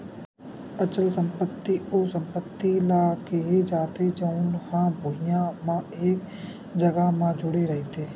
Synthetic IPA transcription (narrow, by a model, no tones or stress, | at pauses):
ət͡ʃəlsə̃mpət̪ːiʔosə̃mpət̪ːilaːkeɦed͡ʒaːt̪ed͡ʒəʊnhãbʱʊɦijãmãeːk | d͡ʒəɡamãd͡ʒʊɽeɾɐɦet̪ʰeː